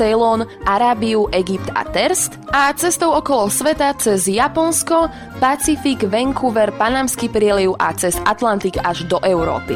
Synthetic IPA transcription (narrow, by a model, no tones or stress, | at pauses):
sɛlɔnʔaɾaːbiuʔɛɡip̚t̪a̰t̪ɛɾst̪at͡sɛst̪ɔʊɔkɔlɔsʋɛt̪at͡sɛzjapɔnskɔ | pat͡sifiɡʋɛŋkʰuʋɛɾpanamskipɾɪɛliʊʔa̰t͡sɛzat̪lant̪iɡaʒd̪ɔʔɛʊɾɔ̰ːpḭ